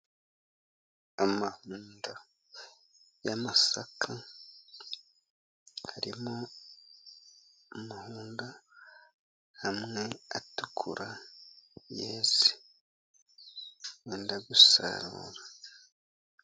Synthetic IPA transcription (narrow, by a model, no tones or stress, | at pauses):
amahuːnda | jamasakʰa | haɾimo | amahuːnda | hamŋeatukʰuɾʔa | jeːzi̥ | weːndaɡusa̰ɾṵːɾa